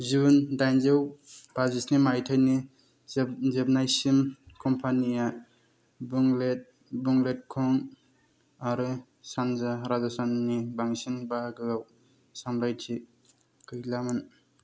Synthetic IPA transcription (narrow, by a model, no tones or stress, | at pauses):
zundajnzɯwb̥azisnimajtʰajni | zebnajsimkʰɔmpʰanija | buŋlet̚ | buŋlet̚kʰɔŋ | aɾɯ | sanzaɾazasanːibaŋsinbaɡɯɡaw | samɾajtʰi | kɯjlaman